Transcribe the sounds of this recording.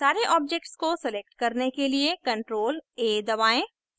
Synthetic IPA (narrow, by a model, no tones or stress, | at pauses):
saːɾeʔɔːb̚d͡ʒek̚ʈskosɪleːk̚ʈkɐɾnekeliekɐ̃ɳʈɾoːleːd̪ɐβaːẽ